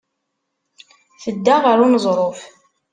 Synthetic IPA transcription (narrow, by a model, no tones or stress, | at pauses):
θəd̪ːaʁəɾunəzˤɾˤof